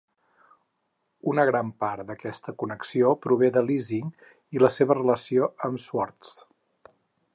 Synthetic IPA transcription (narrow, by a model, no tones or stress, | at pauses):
unəɣɾampaɾd̪əkɛst̪əkunəksiopɾuβeðəliziŋ | iləseβərələsioəmswɔɾt̪s